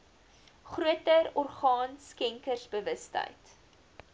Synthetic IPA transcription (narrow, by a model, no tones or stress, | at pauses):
χruətərɔrχɑːnskɛŋkərsbəvəstə̰jt